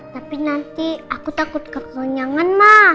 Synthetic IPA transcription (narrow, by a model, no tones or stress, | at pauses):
t̪apinant̪iakut̪akʊt̪̚kəkəɲaŋanma